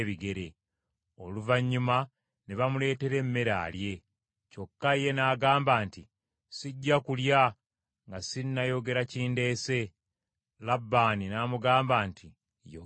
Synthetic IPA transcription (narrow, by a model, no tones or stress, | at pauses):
βiɡe̞ɾe̞ | o̞luvaɲːuma | neβamule̞ːte̞ɾe̞mːe̞ɾa̰ːlje̞ | co̞kːaje̞naːɡaːmbaːnti | siɟːakulja | ŋɡasinːajo̞ɡe̞ɾaciːnde̞ːse̞ | labːaːninaːmuɡaːmbaːntʰi | jo